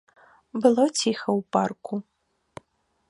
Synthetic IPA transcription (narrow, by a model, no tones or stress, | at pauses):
bɨlˠɔt͡sʲʰixɐwparku